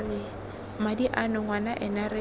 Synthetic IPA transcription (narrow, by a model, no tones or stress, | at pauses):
rɪ | madiʔanʊŋwanaʔɛnarɪ